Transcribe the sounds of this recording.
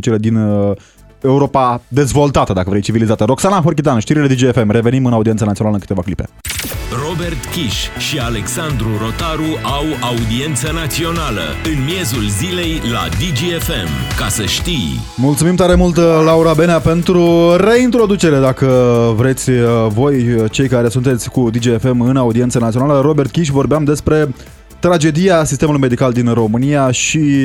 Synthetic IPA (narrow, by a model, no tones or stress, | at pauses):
ut͡ʃeɾed̪in | e̞uɾo̞pad̪e̞zvo̞lt̪at̪əd̪akəvɾejt͡ʃivilizat̪əɾo̞ksanaɦork̬it̪anʃt̪iɾiled̪id͡ʒiefe̞mre̞ve̞nimɨnaud̪ient̪sanat̪ionaləŋkɨt̪e̞vaklipe̞̰ro̞be̞rt̪kʲiʃʃiale̞ksand̪ɾuɾo̞t̪aɾuʔawaud̪ie̞nt̪sənat̪sio̞nalə̰ɨnmje̞zulzile̞jla̰d̪id͡ʒiefemkasəʃt̪ij | mult̪sumimt̪aɾe̞mult̪lauɾabe̞neape̞nt̪ɾure̞int̪ɾo̞d̪ut͡ʃe̞ɾe̞d̪akəvɾe̞t̪sʲvo̞jt͡ʃe̞jkaɾe̞sunt̪e̞t̪sʲkud̪id͡ʒiefe̞mɨnaud̪ie̞nsənat̪ionaləɾo̞be̞rt̪̚kʲiʃ̬vo̞rbeamd̪e̞spɾe̞ | t̪ɾad͡ʒe̞d̪ijasis̬t̪e̞mulujme̞d̪ikald̪inro̞mɨnijaʃi